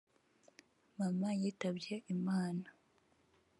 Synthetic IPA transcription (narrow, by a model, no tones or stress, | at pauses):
mamajiːtabɟeʔimaːna